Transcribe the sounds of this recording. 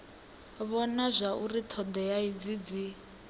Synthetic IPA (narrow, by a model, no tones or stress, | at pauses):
βɔnazʷaʔurit̪ʰɔd̪ɛjaid͡zid͡zi